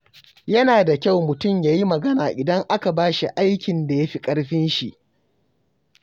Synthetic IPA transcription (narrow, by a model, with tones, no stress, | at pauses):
jɐ˦naː˨da˨kʲa˦˨wmʊ˨tʊ˦˨mjaː˨ji˦mɐ˨ɡɐ˦naː˨ʔɪ˨dɐ˦ŋʔa˦ka˨baː˦ʃi˨ʔa˦jkʲɪ˨nda˨ja˦ɸi˦kʼɐ˦ɽɸɪ˦nʃi˨ʔ